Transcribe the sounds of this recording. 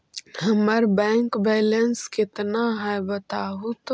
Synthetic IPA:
ɦəməɾbɛ̃ːŋkbɛːlənskɪt̪naɦɛbət̪aːɦut̪

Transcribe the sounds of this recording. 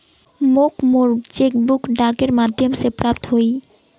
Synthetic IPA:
mokmoɾt͡ɕek̚bukɖakeɾmad̪ʱːomsepɾap̚t̪ɦoj

